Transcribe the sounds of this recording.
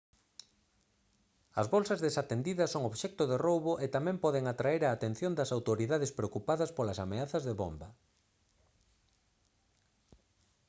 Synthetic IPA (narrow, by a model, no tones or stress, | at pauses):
ɐzβɔlsɐzðesat̪end̪iðɐsoŋoβʃɛk̚t̪oðerowβoʔet̪amɛ̃mpɔðeŋat̪ɾaeɾaːt̪ẽn̟θjond̪ɐsawt̪oɾiðaðespɾeokupaðɐspolɐsameaθɐzðeβombɐ